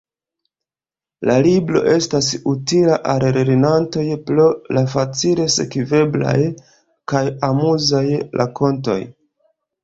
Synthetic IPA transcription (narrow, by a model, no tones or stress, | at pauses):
laliblo̞̰ʔe̞stasutilaʔalɾɾinanto̞jplolafat͡sile̞se̞̰kive̞bla̰j | kajamuzajlʔa̰ko̞nto̞̰j